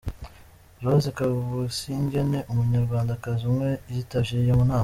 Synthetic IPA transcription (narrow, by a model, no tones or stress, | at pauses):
ɾozekaβuβusiɲɟe̞ne̞ʔumuɲaɾɡwaːndakazumŋe̞izitaʒiijemunaːma